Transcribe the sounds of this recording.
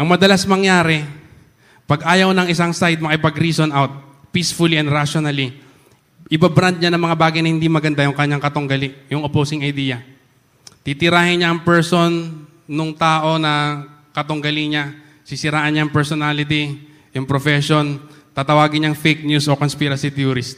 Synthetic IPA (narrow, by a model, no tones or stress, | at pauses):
ʔɐŋmɐd̪ɐlasmɐŋjaːɾɛ | pɐɡʔaːjɐwnɐŋʔɪsaŋsajd̪̚mɐkɪpɐɡɾiːsonʔawt̪̚ | pisfʊliʔɐnd̪ɾaʃonɐli | ʔɪbabɾand̪̚ɲanɐŋmɐŋabaːɡɐjnɐhɪnd̪imɐɡɐnd̪ajʊŋkɐɲːaŋkɐt̪ʊŋɡɐlɪʔjʊŋʔopowsɪŋɐjd̪iːjɐ | t̪it̪ɪɾaːhɪnɲaʔɐŋpɛɹso̞nː | ʊŋt̪aːʔo̞nɐ | kɐt̪ʊŋɡɐlɪɲa | sɪsɪɾaːʔɐnɲaɐŋpɛɹsonalɪt̪̬i | jʊŋpɾofɛʃo̞nt̪aːt̪ɐwaːɡɪɲɐŋfejk̚ɲusʔokonspiɾɐsit̪juɾɪst̪̚